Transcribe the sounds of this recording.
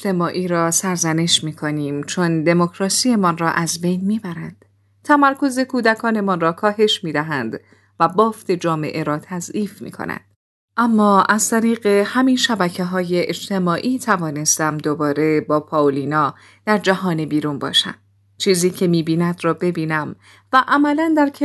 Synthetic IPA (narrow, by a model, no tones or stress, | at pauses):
ed͡ʒt̪e̞mɒːʔiːɾɒːsæɾzæne̞ʃmiːkʰo̞niːmt͡ʃʰo̞nd̪e̞mo̞kʰɾɒːsie̞mɒnrɒːʔæzbe̞jnmiːbæɾænd̪̥ | t̪ʰæmæɾkʰo̞ze̞kʰuːd̪ækʰɒːne̞mɒnrɒːkʰɒːɦe̞ʃmiːd̪æɦænd̪ | væbɒːft̪e̞d͡ʒɒːme̞̰ʔe̞ɾɒːt̪ʰæziːfmḭːkʰo̰næ̰nd̪̥ | ʔæmːɒːʔæz̥t̪ʰæɾiːɣe̞hæminʃæbæcʰe̞ɦɒːje̞ʔed͡ʒt̪ʰe̞mɒːʔiːt̪ʰævɒːne̞st̪æmd̪obɒːɾe̞bɒːpʰɒːolinɒː | d̪̥æɾd͡ʒæɦɒːnebiːɾunbɒ̰ːʃæ̰m | t͡ʃʰiːziːcʰe̞miːbiːnæd̪rɒːbe̞biːnæm | væʔæmælænd̪æɾkʰe